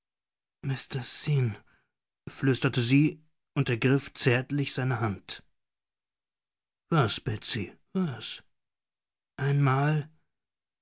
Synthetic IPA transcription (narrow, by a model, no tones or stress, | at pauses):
mɪstɐsin | flʏstɐtəziː | ʔʊntɛɐɡʁɪft͡sɛɐtlɪçz̥aɪnəɦant | v̥asb̥ɛt͡sivas | ʔaɪnmaːl